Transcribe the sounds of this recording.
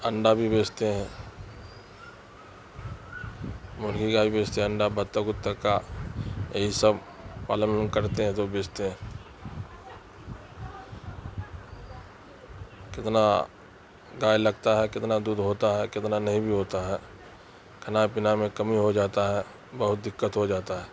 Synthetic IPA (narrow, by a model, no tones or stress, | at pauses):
ɐ̃ɳɖabʱibeːt͡ʃt̪eɦɛ̃ː | mʊlkikabʱibeːt͡ʃt̪eə̃ɳɖabɐt̪ːəɡʊt̪ːəka | jɐɦisəb | paːlə̃nkɐɾt̪eɦɛ̃t̪obeːt͡ʃt̪eɦɛ̃ | kɪt̪na | ɡaːjlɐɡt̪aɦɛkɪt̪nad̪uːd̪ʱɦoːt̪aɦɛkɪt̪nanɐɦĩbʱiɦoːt̪aɦɛː | kʰɐnapɪnamẽkɐmiɦod͡ʒaːt̪aɦɛ | bɐɦʊt̪̚d̪ɪkːət̪ɦod͡ʒaːt̪aɦɛː